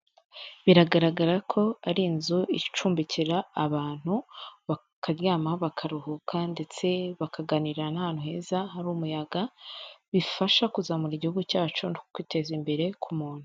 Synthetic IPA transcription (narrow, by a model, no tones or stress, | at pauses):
βiɾaɡaɾaɡaɾakʰo̞aɾiːnzuit͡ʃuːmbiciɾaːβaːn̥huβa | kʰaɾjaːmaβakʰaɾuhukʰande̞t͡se̞βakʰaɡaniɾanahanhuhe̞ːzaɦaɾumujaɡaβifaʃakuzamuɾiɟihuɡucaːt͡ʃunokokwite̞ːzimbe̞ɾe̞kʰumuːn̥hu̥